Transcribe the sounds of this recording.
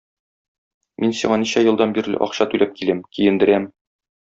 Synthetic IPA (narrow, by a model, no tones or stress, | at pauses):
mʔinsiɴɑniɕæjɤ̆lˠd̪ɑnbiɾlɘ̰ʔɒ̰qɕɑt̪ʉlæp̚kilæmkijɘ̆nd̪ɘ̆ɾæm